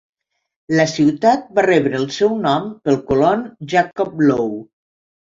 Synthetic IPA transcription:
ləsiwt̪at̪̚barɛβɾəːlˠsɛwnɔmpəlˠkulonʒakɔp̚low

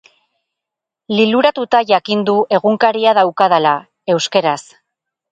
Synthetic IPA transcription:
liluɾat̪ut̪aʝakind̪ue̞ɣuŋkaɾiaðawkað̞ala | e̞wske̞ɾas

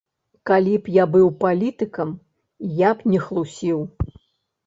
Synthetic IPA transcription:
kalʲipjabɨwpalʲit̪ɨkɐm | japnʲɛxlˠusʲiw

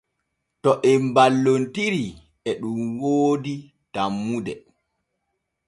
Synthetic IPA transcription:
tɔʔɛmbalːontiɾi | ɛɗumwoːdi | tamːudɛ

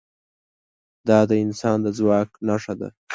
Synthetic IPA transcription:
d̪ɑd̪əɪnsɑnd̪əzwɑknaʂad̪a̰

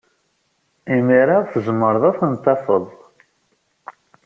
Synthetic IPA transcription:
imiɾaʁθəzəmːəɾðˤaθənt̪ːɑfəðˤ

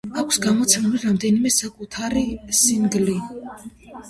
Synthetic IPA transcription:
akʷʰsɡamɔt̪sʰɛmɛliɾamd̪ɛnimɛsakʼut̪ʰaɾisinɡli

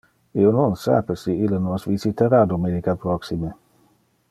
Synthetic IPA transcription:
iononsa̰pesiilːənosvizit̪aɾad̪omenikapɾoksime

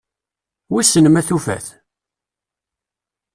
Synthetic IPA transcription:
wisənəmæθufæ̰θ

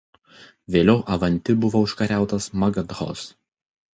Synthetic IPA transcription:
ʋʲeːlʲɛʊʔɐʋɐnʲt̪ʲɪbʊʋoːʊʃkɐɾʲæˑʊt̪ɐsmɐɡɐd̪ɾo̰s

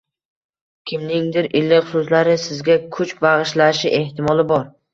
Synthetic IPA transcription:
kʲʰɪmnɪŋd̪ɪɾʔɪlːɪʊsʊs̬laɾɪsɪzɡʲakʰʊt͡ʃbaʁɨʃlaʃɪʔe̞ht̪ʰɪmɒlˠɪbɒɾ

